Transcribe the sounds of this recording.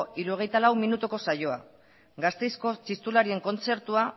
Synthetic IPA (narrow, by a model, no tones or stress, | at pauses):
iɾuo̞ɣe̞jt̪alawminut̪uko̞sajo̞a | ɡast̪e̞jsko̞t͡ʃist̪ulaɾie̞ŋko̞nt͡se̞ɾt̪ua